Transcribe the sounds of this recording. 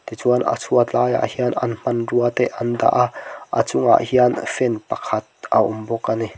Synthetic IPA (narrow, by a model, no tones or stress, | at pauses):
t̪it͡suɐnʔa̰t͡sʰuɐt͡ɬaːja̰ʔhianʔɐ̰nm̥ɐnruɐt̪ɛʔɐnd̪a̰ʔʔa̰t͡sʊŋa̰ʔhianfɛnpɐkʰɐt̪̚ʔaʔʊmbɔkːani